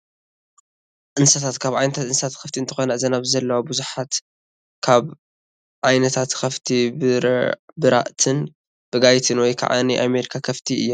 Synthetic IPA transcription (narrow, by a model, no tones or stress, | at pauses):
ʔɨnsɐt̪ʰat̪kʰaβʕajnɐt̪ʰat̪ʔɨnsɐt̪ʰat̪kʰɐft̪ʰiɨnt̪ʰɨ̥xonɐʔɨzɐnaβzɐlːɐwabɨzuħat̪ | kʰaβ | ʕajnɐt̪ʰat̪kʰɐft̪ʰibɨbɨɾa̰ʔt̪ʰɨn | b̥ɨɡajt̪ʰɨnwɔjkʰa̰ʕa̰niʔameɾikʰakʰɐft̪ʰiɨ̰jːɛ